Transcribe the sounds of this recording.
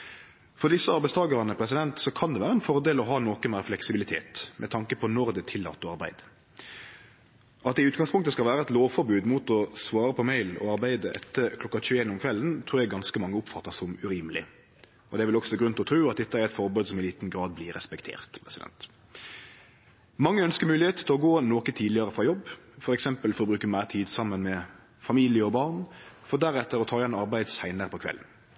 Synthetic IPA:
fɔʁd̪ɪsːəɑɾbæɪst̪ɑːɡəʁɑnəpʰɾɛs̬ɪd̪ɛnt̪sɔkʰɑnd̪ɛʋæːɾəɛnfɔɾd̪eːlɔɦɑːnoːkənmæːflɛksɪbɪlɪt̪ʰḛːt̪mʔɛ̰t̪ʰɑŋkəpʰɔnɔɾd̪ɛt̪ʰɪlːɑ̰ːt̪ːɔɑɾbæ̰ɪd̪ | ʔɑt̪d̪ɛɪʉːt̪̚ɡɑŋspʰʊŋt̪əskɑlʋæːɾəɛt̪loːʋfɔɾbʉːd̪mut̪ɔsʋɑːɾəpʰɔmæɪlɔ̰ɑɾbæɪd̪əʔɛt̪ːəkʰlɔkːɑc͡çʉːəeːnɔmkʰʋɛlənt̪ʰɾuːɾjɛɡɑnskəmɑŋːəʊpfɑt̪ːəsɔmʉɾiːməlɪ | ɔd̪ɛæʋɪlɔksɔɡɾʉnt̪ɔt̪ɾʉːɑt̪̚d̪ɛt̪ːəæɾɛt̪fɔɾbʉːd̪sɔmɪliːt̪n̩ɡɾɑːd̪̚blɪɾɛspɛkt̪ʰḛːʁt̪pʰʁɛsɪd̪ɛ̰nt̪ | mɑŋːəœnskəɾmʉːlɪheːt̪ət̪ʰɪlɔɡoːnoːkət̪ʰiːd̪lɪəɾəfʁɑːjɔbːfɔɾɛksɛmpəlfɔɾbɾʉːkəmæɪʁt̪ʰiːd̪sɑmːənmɛ | fɑmiːlɪəɔbɑʁnfɔd̪æɾɛt̪ːəɾɔt̪ʰɑːjɛnɑɾbæɪd̪sæɪnəɾəpʰɔkʰʋɛ̰lːn̩

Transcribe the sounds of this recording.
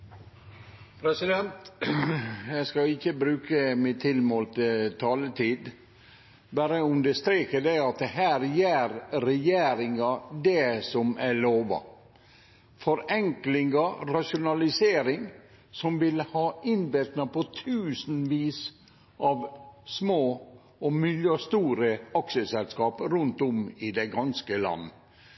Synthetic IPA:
pʰɾɛsɪd̪ɛnt̪ | jæskɑɪçːəbɾʉːkəmɪt̪ʰɪlmoːlt̪ət̪ʰɑːlət̪ʰiːd̪ | bæɾəʉnd̪əst̪ɾeːkəd̪æɪɑt̪̚ɛɦæːɾjeːɾɾɛjeːɾɪŋɑd̪ɛsɔmæloːʋɑ̰ | fɔɾɛŋklɪŋəɾɑʂʊnɑlɪseːɾɪŋ | sɔmʋɪlhɑːɪnbɪɾt̪nɑpɔt̪ʰʉːsn̩ʋiːs | ʔɑʋsmoː | ɔmʏljøst̪uːɾəɑksəsɛlskɑːpɾʉnt̪ɔmɪd̪ɛɡɑnskəlɑ̰nːə

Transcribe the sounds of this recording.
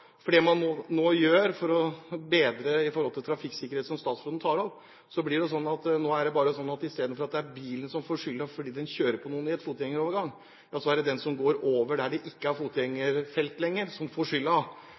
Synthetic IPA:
fɔɖɛmɑnːoːnoːjøːɾfɔɾɔbeːd̪ɾəɪfɔɾhɔlt̪ɪlt̪ʰɾɑfɪkːsɪkːəɾeːt̪sɔmst̪ɑːt̪sflɔːd̪n̩t̪ʰɑːɾɔʋ | sɔblɪɖɛs̬ɔnːɑt̪noːæɖɛbɑːɾəsɔnːɑt̪ɪst̪eːd̪n̩fɔɾɑt̪̚d̪ɛæɾbiːlənsɔmfoːʂʏlːɑfɔɖiːd̪ɛnçøːɾəpʰɔnuːənɪɛt̪fuːt̪jɛŋːəɾoːʋəɾɡɑŋː | jɑːsɔæɾɛd̪ɛnsɔmɡoːɾoːʋəɖæɖɛʔɪkːəæɾfuːt̪ʰjɛŋːəɾfɛlt̪lɛŋːəɾsɔmfoːʂʏlːɑ

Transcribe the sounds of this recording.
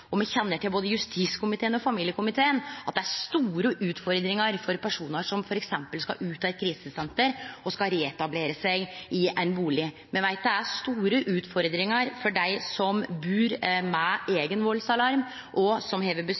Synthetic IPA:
ɔmɛçɛnːəʈɪlboːd̪əjʉst̪ʰiːskʰʊmɪt̪ʰeːənɔfɑmiːljəkʰʊmɪt̪ʰeːənɑt̪̚d̪ɛæɾst̪uːɾəʔʉːt̪fɔɾd̪ɾɪŋəɾfɔɾpʰæʂuːnəʂɔmfɔɾɛksɛmpəlskɑ̰ʔʉːt̪ʰɑːɛt̪̚kʰɾiːsəsɛnt̪əɾɔskɑɾeːɛt̪ɑbleːɾəsæɡɪʔæɪnbuːlɪ | mɛnʋæɪt̪d̪ɛæst̪uːɾəʔʉːt̪fɔɾd̪ɾɪŋəɾfɔɖæɪsɔmbʉːɾmɛʔeːɡənʋɔlsɑlɑɾm | ʔɔsɔmheːʋəbə

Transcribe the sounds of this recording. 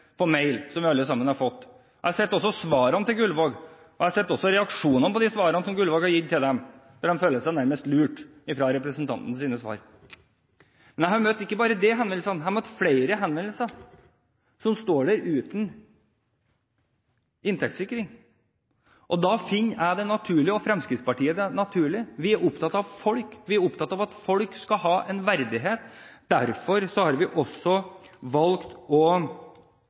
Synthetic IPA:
pʰɔmeɪlsɔmʋɪɑlːəsɑmːənhɑɾfɔt̪ː | æɑsɛt̪ːɔsːɔsʋɑːɾɑnət̪ɪlɡʉlʋoːɡ | ɔæɑsɛt̪ːɔsːɔɾɛɑkʂuːnənəpɔd̪ɪsʋɑːɾɑnəsɔmɡʉlʋoːɡɑɾjɪt̪ʰːɪld̪ɛmd̪ɔɖ̪ɛmføːləsæɪnæɾməst̪lʉːʈ | ɪfɾɑɾɛpɾəsənt̪ʰɑ̰nt̪n̩siːnəsʋɑ̰ːɾ | mɛnjæɪhɑɾmøt̪ːɪkːəbɑːɾəd̪ɛɦɛnʋɛnl̩sɑnhɑɾmœt̪fleɪɾəɦɛnʋɛnl̩sə | sɔmst̪oːɖæɾʉːt̪n | ɪnt̪ʰɛkt̪sɪkːɾɪŋ | ʔɔd̪ɑfɪnːæd̪ɛnɑt̪ʰʉːɭɪəɔfɾɛmskɾɪt̪spɑʈʰiːəd̪ɛnɑt̪ʰʉːɭɪʋɪæɾʔʊpt̪ʰɑt̪ːɑʋfɔlkʋɪæɾʊpt̪ʰɑt̪ːɑʋɑt̪fɔlkskɑɦɑːʔɛnʋæɾd̪ɪɦeːt̪d̪̥æ̰ɾfɔɾsɔhɑɾʋɪʔɔsɔʋɑlkt̪ɔ

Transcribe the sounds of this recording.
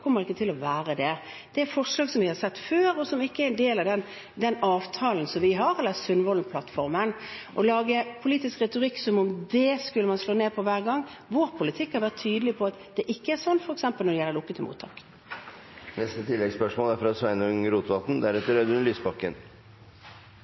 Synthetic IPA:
kʰɔmːəʁɪkːət̪ɪlɔʋæːɾəd̪ɛ | d̪̥ɛæfɔʁʂlɑːɡsɔmʋɪhɑsɛt̪ːføːɾɔsɔmɪkːəɛɾɛnd̪eːlɑʋd̪ɛn | d̪ɛnɑːʋt̪ʰɑːln̩sɔmʋɪɦɑɾɛlːəsʉnʋɔlnpʰlɑt̪fɔʁmənʔɔlɑːɡəpʰʊliːt̪ɪskʁɛt̪ʊʁɪkːsɔmʊmd̪ɛskʉlːəmɑnsloːneːpʰɔʋæːʁɡɑŋː | ʋoɾpʰʊlɪt̪ʰɪkːɑɾʋæːʁət̪ʰːyːd̪əlɪpʰɔɑt̪d̪̥ɛʔɪkːəæɾsɔnːfɔɾɛksɛmpəlnɔɾd̪ɛjɛləɾlʊkːət̪ʰɪmṵːt̪ʰːɑːk | nɛst̪ət̪ʰɪlːɛɡspœʂmoːlæɾfɾɑsʋæɪnʉŋəɾuːt̪ʋɑt̪n̩d̪æɾɛt̪əɾœd̪ʉnlyːsbɑkːə̰n

